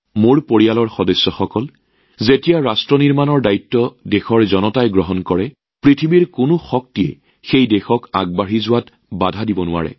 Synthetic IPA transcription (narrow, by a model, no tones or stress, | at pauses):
moɹpoɹialɔɹxɔdɔsːɔxɔkɔl | zetijaɹastɹɔniɹmanɔɹdaitːɔdexɔɹzɔnɔtajɡɹɔɦɔnkɔɹɛ | pɹitʰibiɹkʊnʊxɔk̚tiɛ̰ | xejdexɔka̰ɡ̚baɦizʊwat | badʱadibɔnʊwa̰ɹɛ̰